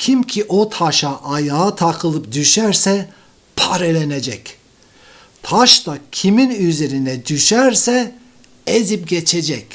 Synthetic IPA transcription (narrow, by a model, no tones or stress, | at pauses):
cʰimcʰiʔot̪ʰaʃaʔːjaːt̪ʰakʰɯlˠɯp̚d̪yʃæɾsɛ | pʰaɾelʲened͡ʒɛc | t̪ʰaʃt̪acʰiminyze̞ɾinɛd̪yʃɛɾsɛ | ezip̚ɟet͡ʃʰed͡ʒɛcʲ